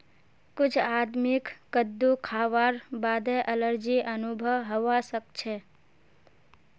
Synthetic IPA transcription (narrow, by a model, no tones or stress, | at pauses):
kʊd͡ʒʰad̪mɪkkəd̪ːukʰaʋaɾbad̪eʔələɾd͡ʒiʔənubʱəʋɦoʋasəkt͡ʃʰe